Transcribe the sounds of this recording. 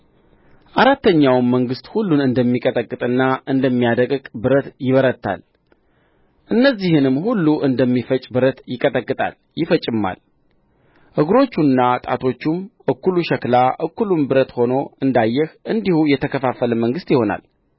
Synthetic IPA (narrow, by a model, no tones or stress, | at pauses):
ʔaɾat̪ːəɲːawmːəŋɡɨst̪hulːunɨnd̪əmːikʼət̪ʼəkʼːɨt̪ʼɨnːaʔɨnd̪əmːijad̪əkʼkʼbɨɾət̪jɪβəɾət̪ʰːa̰l | ʔɨnːəzːihɨnɨmːhulːuʔɨnd̪əmːifət͡ʃʼbɨɾət̪jɪkʼət̪ʼəkʼːɨt̪ʼa̰l | jɪfət͡ʃʼɪmːa̰l | ʔɨɡɾo̞t͡ʃːunːat̪ʼa̰t̪ʰo̞t͡ʃːumʔɨkːuluʃɛklaʔɨkːulumbɨɾət̪ho̞no̞ɨnd̪ajːɛhʔɨnd̪ihujɛt̪ʰəkʰəfafələməŋɡɨst̪jɪho̞na̰l